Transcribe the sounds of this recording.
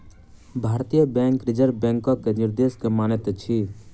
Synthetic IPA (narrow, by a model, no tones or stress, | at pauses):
bʱaːɾt̪ijəbɛ̃ːŋkɾɪd͡ʒəɾbɛ̃ːŋkɔkenɪɾd̪eːʃkemaːnet̪t͡ʃʰi